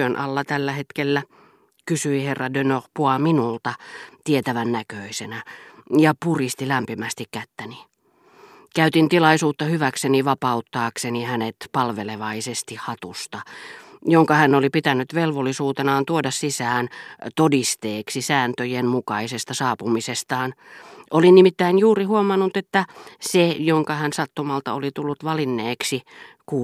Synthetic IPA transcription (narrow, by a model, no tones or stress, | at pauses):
ønʔɑ̰lːɑt̪ælːæhet̪kelːæ | kysyiherːɑdønoʁpuɑminult̪ɑt̪iet̪æʋænnækøisenæjɑpurist̪ilæmpimæst̪ikkæt̪ːæni | kæyt̪int̪ilɑisuːt̪ːɑhyʋækseniʋɑpɑut̪ːɑːksenihænet̪pɑlʋeleʋɑisest̪ihhɑt̪ust̪ɑjoŋkɑhænːolipit̪ænːˑyt̪ʋelʋolːisuːt̪enɑːnt̪uodɑssisæːnt̪odist̪eːksisæːnt̪øjemmukɑisest̪ɑsɑːpumisest̪ɑːn | ʔolinimit̪ːæinjuːrihuomɑnːut̪et̪ːæsejoŋkɑhænsɑt̪ːumɑlt̪ɑ̰olit̪ulːut̪ʋɑlinːeːksikuː